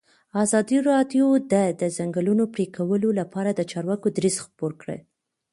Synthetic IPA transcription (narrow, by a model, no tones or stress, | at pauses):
ɑzɑd̪iɾɑd̪jod̪ad̪əzaŋɡəlunopɽikawəlolapɑɾad̪ət͡ʃɑɾwɑkod̪ɾizxpoɾkɽə̰